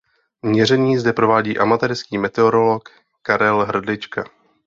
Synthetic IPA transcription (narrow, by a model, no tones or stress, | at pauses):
mɲɛr̝ɛɲiːzd̪ɛpɾo̞vaːɟiːʔamat̪ɛɾskiːmɛt̪ɛoɾo̞lo̞k | kaɾɛlɦr̩dlɪt͡ʃka̰